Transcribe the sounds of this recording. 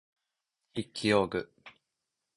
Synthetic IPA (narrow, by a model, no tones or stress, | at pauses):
hikʲʰːijoːɡɯ̟